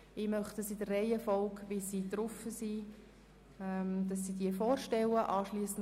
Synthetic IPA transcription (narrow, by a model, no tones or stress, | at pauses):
ɪmœχtəsitərːeɪəfɔlkvisiːdɾʊfəsi | ɛmd̥ɑsːidiəfɔːɾʃtɛləʔɑːʃliːsən̩